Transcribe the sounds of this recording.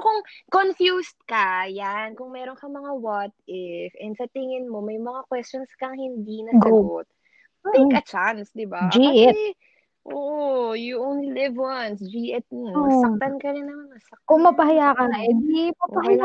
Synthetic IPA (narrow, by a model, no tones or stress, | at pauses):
kʊŋkonfjust̪̚kɐjankʊŋmɛːɾonkɐmɐŋawat̪̚ɪfʔɛnd̪sɐt̪ɪŋɪnmomɐjmɐŋakwɛst͡ʃonskɐŋhɪnd̪inɐɡbot̪̩̚ː | ɐjkɐt͡ʃansd̪ɪbad͡ʒiʔɛ | ʔoʔojʊʔownlilɪvansd͡ʒiʔɛt̪̚nsɐt̪ɐnkɐɾɪnɐŋmɐŋɐsɐk̚kʊmɐpɐɦɐjaːkɐʔɛd̪ipɐpɐɦaja